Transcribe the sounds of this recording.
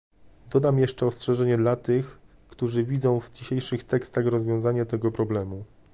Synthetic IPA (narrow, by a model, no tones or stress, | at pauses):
d̪ɔd̪amjɛʂt͡ʂɛɔstʂɛʐɛɲɛd̪lat̪ɘx | kt̪uʐɘvʲid̪zɔ̃w̃vd͡ʑiɕejʂɘxt̪ɛkst̪aɣɾɔzvʲjɔ̃w̃zaɲat̪ɛɡɔpɾɔblɛmu